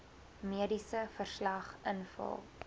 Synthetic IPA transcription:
miədisəfərslɐχʔənfɐ̰lˠ

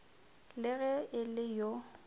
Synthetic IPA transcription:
lɪɣɛɪlɪjo

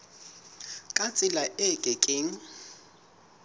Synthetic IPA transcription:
kʼat͡sʼɪlaʔɪkʼɪkʼɪŋ̩

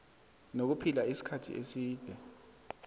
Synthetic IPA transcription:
nok̬upʰilaisi̥kʰatʰḭʔesiːd̥ʱwɛ

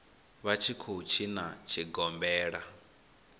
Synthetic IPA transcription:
βat͡ʃʰikʰut͡ʃʰinat͡ʃʰiɡɔmbɛːɺa

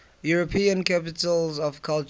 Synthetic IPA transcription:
juɹɔpʰĩə̃nkʰapitəlzɔvkʰalt͡ʃ

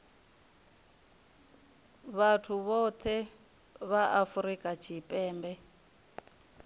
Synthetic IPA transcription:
βatʰuβɔt̪ʰɛ | βaʔafuɾikʼat͡ʃʰipʼɛːmbɛ

